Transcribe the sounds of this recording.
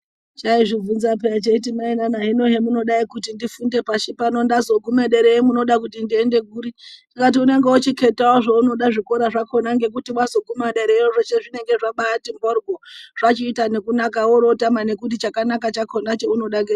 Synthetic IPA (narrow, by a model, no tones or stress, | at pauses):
t͡ʃaiʐivunzapeat͡ʃeitimainanaɦino̞ɦemuno̞ɗaikutindifunde̞paʃipano̞ndazo̞ɡʱumeɗeɾeimuno̞ɗakutindie̞nde̞ɡʱuːɾitakat̬iune̞ŋɡe̞ut͡ʃikʰe̞taoʐouno̞ɗaʐikoɾaʐakʰo̞naŋɡe̞k̬utimwazo̞ɡʱumaɗeɾeiroʐet͡ʃeʐine̞ŋɡe̞ʐaɓaːtimborɡʱoʐ̥at͡ʃiːtane̞kunakaoɾo̞tamane̞kut̬it͡ʃakanakat͡ʃakʰonat͡ʃe̞uno̞ɗaɡe